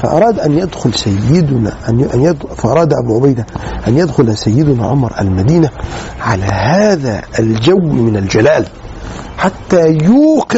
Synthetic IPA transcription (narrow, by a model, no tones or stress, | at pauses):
fa̰ʔɑ̰ɾˤɑːd̪ʔanjad̪xʊlsajːɪd̪ʊna̰ | faʔɑɾˤɑːd̪ʔa̰buʕʊbajd̪aʔanjad̪xʊlsajːɪd̪ʊna̰ʕʊ̰mɾˤʔa̰lmad̪iːnaʕalahaːðaːʔːld͡ʒawːmɪnald͡ʒalaːl | ħat̪ːaːjuːq